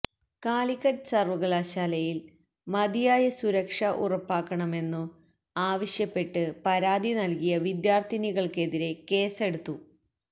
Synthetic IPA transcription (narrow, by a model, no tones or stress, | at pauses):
kaːlikːɐɾsɐrʋɐɣɐɭɐɕaːlɐjil | mɐd̪ijaːjɐsuɾɐkʂɐʔṵrɐpːaːkːɐɳɐme̞nːum | aːʋɐɕjɐpːe̞ʈːɨpɐɾaːd̪ʱinɐlkijɐʋid̪jaːrt̪ʰiniɣɐɭke̞ðiɾe̞ke̞ːse̞ɽut̪ːu